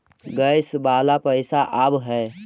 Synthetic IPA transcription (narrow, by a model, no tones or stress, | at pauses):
ɡəɪsbaːlapəɪsaʔəbɦɛː